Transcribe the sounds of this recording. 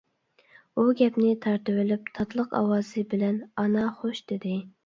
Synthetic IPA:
uɡʲɛpnɪt̪ʰɑɾt̪ɨwɪlyp̚t̪ʰɑt̪ʰlˠəqɑ̰wɑzɨbɪlɛnɑnɑχoʃd̪̥ɪd̪ɪ

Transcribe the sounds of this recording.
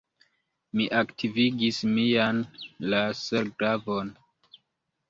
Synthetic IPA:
miʔaktʰiviɡismijanlaseɾɡɾavon

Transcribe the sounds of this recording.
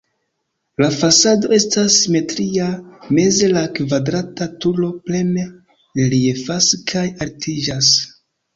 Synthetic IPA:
lafasado̞e̞stasime̞tɾiame̞ze̞lakvadɾatatulo̞ple̞me | liefaskʰajaɾtʰid͡ʒas

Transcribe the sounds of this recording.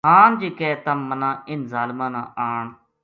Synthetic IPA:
ɦaːnd͡ʒiːkɛːt̪ãːmːənãːɪnzaːlmãːnã̰ːʔaːɳ

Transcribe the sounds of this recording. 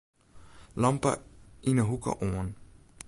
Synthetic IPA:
lampə̰inəɦukə̰ʔoɐn

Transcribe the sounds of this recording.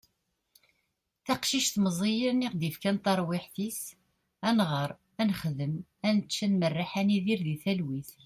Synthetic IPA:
θæqʃiʃθməzˤijəɾniʁd̪ifkænt̪ɑɾˤwɪħθis | ænʁəɾˤ | ænχðəmænət͡ʃːænmərːaħaniðiɾðiθælwiθ

